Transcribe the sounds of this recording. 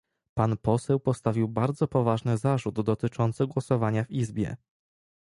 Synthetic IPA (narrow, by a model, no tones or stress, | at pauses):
panpɔsɛwpɔst̪avʲiwbaɾd̪zɔpɔvaʐnɘzaʐud̪ːɔt̪ɘt͡ʂɔnt̪sɘɡwɔsɔvaɲavizbʲjɛ̰